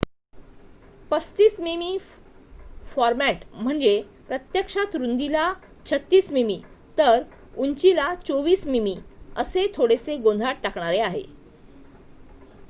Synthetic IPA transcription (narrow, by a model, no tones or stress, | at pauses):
pəst̪iːsmimi | fɔɾmæʈm̤əɳd͡ze | pɾət̪jəkʂat̪ɾund̪ila | t͡ɕʰət̪ːiːsmimi | t̪əɾ | unt͡ɕilat͡soʋiːsmimiəset̪ʰoɽeseɡõnd̪ʱaʈ̚ʈakɳ̃aɾeaɦḛ